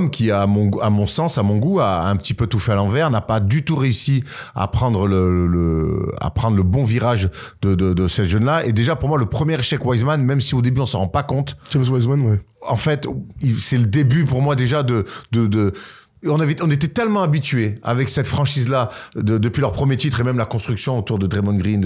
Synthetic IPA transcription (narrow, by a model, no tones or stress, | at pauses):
mkʲiamɔ̃amɔ̃sɑ̃samɔ̃ɡua̰ɛ̃pət̪ipøt̪ufɛalɑ̃vɛʁnapad̪yt̪uʁeysi | a̰pχɑ̃d̪ʁələələa̰pχɑ̃d̪ʁləbɔ̃viʁaʒ | d̪əd̪əd̪əsɛʒənlaed̪eʒapuʁmwaləpχəmjɛʁeʃɛkwajzmanmɛmsiod̪ebyɔ̃səʁɑ̃pakɔ̃t̪d͡ʒmswazmanwɛɑ̰̃fɛt̪isɛləd̪ebypuʁmwad̪eʒad̪əd̪əd̪ə | ɔ̃navɛɔ̃net̪̬ɛt̪ɛlmɑ̃abit̪ɥea̰vɛksɛt̪fχɑ̃ʃizlad̪əd̪əpɥilœʁpχəmjet̪it̪χemɛmlakɔ̃st̪χyksjɔ̃ot̪uʁd̪əd̪ʁemɔ̃ɡʁin